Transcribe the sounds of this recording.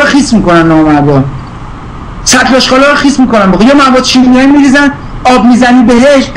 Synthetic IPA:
ɾɔxiːsmiːkonænːɒmæd̪ɒn | sæt̪lɒʃqɒːlɒɾɔxismiːko̞nænboɣojɒːmæbɒd̪ʃininiɛmiɾiːzæn | ɒːb̚miːzæniːbeɦeʃt̪̚

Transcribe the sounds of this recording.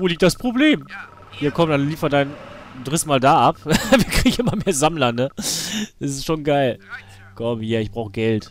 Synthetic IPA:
voːliːk̚t̚d̥aspʁ̥obleːm | hiːɐkʰɔmtd̥anliːfɐdaɪndʁɪsmaːldaːʔapviːɐkʁ̥iiɡŋʔɪmɐmeːɐzamlɐnəd̥asɪstʃoːnɡaɪl | kʰɔmhiːɐɪçb̥ʁaʊxəɡ̥ɛlt

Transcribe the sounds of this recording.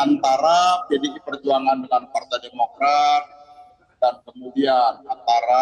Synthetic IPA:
ant̪aɾad͡ʒadidipərd͡ʒuaŋandəŋanpart̪ajdemokɾat̪̚ | dankəmudianant̪aɾa

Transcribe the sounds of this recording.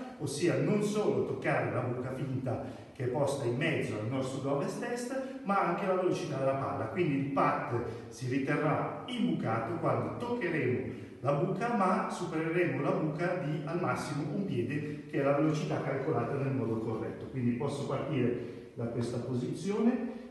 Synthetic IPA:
osːiːanonsoːlot̪okːaːɾelabuːkafint̪a | k̟eɛpːɔst̪aimːɛd̪zːoalnɔst̪ɾoɡɔvest̪ɛst̪maaŋk̟elavelot͡ʃit̪ad̪elapa̰lːa̰kwind̪iːlpat̪ː | siɾit̪erːaimbukaːt̪okwand̪ot̪okːeɾɛːmo | labuːkamasupeɾeɾɛːmolabuːkad̪ialmasːimoʔumpjɛːd̪ekeɛlavelot͡ʃit̪akːalkolaːt̪anelmɔːd̪okorːɛ̰t̪ːokwind̪ipɔsːopart̪iːɾe | d̪akwest̪apozit̪sːjoːne

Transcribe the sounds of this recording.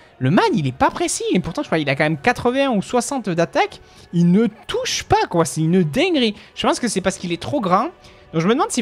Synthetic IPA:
ləmad̪ilɛpapχesiepuʁt̪ɑ̃ʒəkχwailakɑ̃mɛmkat̪χəvɛ̃ɛ̃uswasɑ̃t̪d̪at̪ak | ilnət̪ʰuʃpakwasɛinəd̪ɛ̃ɡʁiʒ̥əpɑ̃skəsɛpaʁskilɛt̪χoɡʁɑ̃ | d̪ɔ̃ʒəməd̪əmɑ̃d̪si

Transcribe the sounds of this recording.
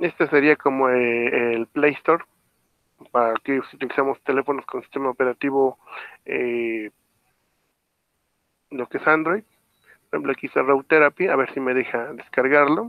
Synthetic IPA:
e̞st̪oseɾiakomoeelplejst̪oɾ | paakesiut̪ilisamost̪ele̞fonoskonsi̥st̪emaopeɾat̪iβoe | lokesand̪ɾojd̪̚ | poɾxemplokisarowt̪eɾapjaaβeɾsime̞ðexad̪eskaɾɣaɾlo

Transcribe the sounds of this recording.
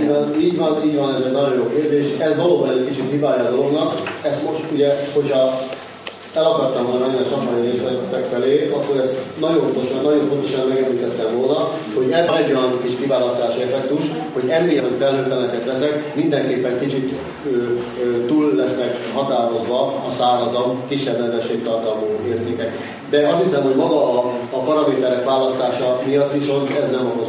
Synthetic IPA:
niːɟʋɒniːɟvɒnɛzɛd̪nɒjo̞njoːkeːrd̪eːʃɛzʋɒloːbɒnɛckit͡ʃit̪ɦibaːjɒd̪oloɡnɒkɛst̪mo̞ʃt̪uɟɛho̞cʰhɒ | ɛlɒkɒrt̪ːɛmvolnɒɛɲːɛnsɒkmaneleːʃlɛt̪ːɛkfɛleːɒkːo̞ɾɛst̪nɒɟont̪oʃɒnnɒɟo̞ɱfo̞nt̪o̞ʃɒnmːɛɡɛmliːt̪ɛt̪ːɛmvolnɒ | hoɟɛzʋɒnɛɟːojɒnkiʃkivaːlɒst̪aːʃiɛfɛk̚t̪uʃ | ho̞ɟɛmːijɒot̪fɛlhøt̪ːɛlɛk̪ɛt̪ʋɛsɛkmind̪ɛŋkeːpːɛŋkit͡ʃit̪ | ø | t̪uːlːɛsnɛkhɒt̪aːɾo̞zʋɒɒsaːɾɒzɒmkiʃːɛbnɛvɛʃːeːk̚t̪ɒrt̪ɒlmuɦeːrt̪eːkɛk | d̪ɛɒst̪hisɛmɦo̞ɟmɒɡɒːpɒɾɒmeːt̪ɛɾɛkʋaːlɒst̪aːʃɒmijɒt̪ːʋiso̞nt̪ɛznɛmoko

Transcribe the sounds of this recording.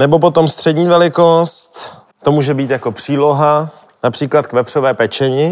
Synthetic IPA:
nɛbo̞p̬o̞t̪o̞mst̪r̝̥ɛdɲiːvɛlɪko̞st̪ | t̪ːo̞muːʒɛbiːt̪jako̞pr̝̥iːlo̞ɦa | napr̥iːklat̪̚kvɛpr̝̥ovɛːpɛt͡ʃɛɲɪ

